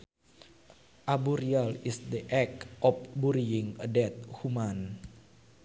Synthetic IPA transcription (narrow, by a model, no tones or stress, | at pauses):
ʔabuɾialisd̪iʔɛk̚ʔɔfbuɾiiŋədɛt̪̚human